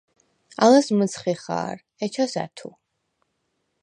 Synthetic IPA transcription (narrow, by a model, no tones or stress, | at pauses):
alasmət̪sʰχiχa̰ːɾ | ɛt͡ʃʰasa̰t̪ʰu